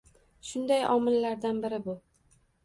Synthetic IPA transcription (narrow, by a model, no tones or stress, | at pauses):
ʃʊnd̪ajɒmɪlːaɾd̪anbɪɾɪbʊ